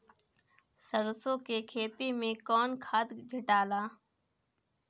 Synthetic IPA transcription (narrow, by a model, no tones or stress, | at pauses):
səɾsõkekʰeːt̪imẽkɔːnkʰaːd̪d͡ʒʱɪʈaːlaː